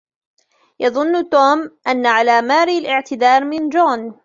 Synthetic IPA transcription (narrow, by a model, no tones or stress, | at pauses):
jɑðˤʊnːt̪oːmʔanːaʕalaːmaːɾialʔɪʕt̪ɪd̪ɑːɾˤmɪnd͡ʒoːn